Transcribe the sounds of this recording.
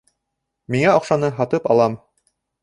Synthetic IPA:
miŋæoqʃɑnɤɦɑt̪ɤpɑ̰lˠɑm

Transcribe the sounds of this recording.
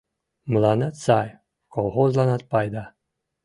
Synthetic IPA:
mlanat̪saj | kolˠɦozlˠanat̪̚pajd̪a

